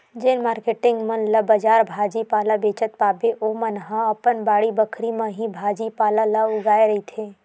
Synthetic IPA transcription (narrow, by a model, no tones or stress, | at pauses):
d͡ʒenmaːɾkeʈɪ̃ŋɡmɐnləbəd͡ʒaːɾbʱaːd͡ʒipaːlabeːt͡ʃət̪̚paːbeʔoːmənɦãɐpənbaːɽibəkʰɾimɐ̃ɦĩbʱaːd͡ʒipaːlalaʊɡaːeɾɐɦit̪ʰeː